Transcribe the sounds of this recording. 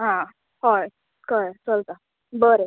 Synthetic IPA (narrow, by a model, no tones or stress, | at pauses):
ɦã | ɦɔj | kəjt͡səlt̪a | bəɾe